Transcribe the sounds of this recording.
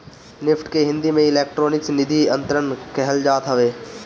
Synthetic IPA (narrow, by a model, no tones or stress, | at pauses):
nɪpʰʈkeɦɪ̃nd̪imẽɪleːk̚ʈɾoːnɪksnɪd̪ʱiə̃nt̪əɾənkɛɦəld͡ʒaːt̪ɦəʋeː